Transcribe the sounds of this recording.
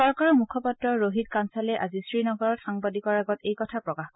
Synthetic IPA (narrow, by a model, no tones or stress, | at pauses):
ɔɹkaɹɔmukʰɔpatɹɔɹoɦidkansalɛʔazisɹinɔɡɔɹɔtxaŋbadikɔɹaɡɔtejkɔtʰapɹɔkax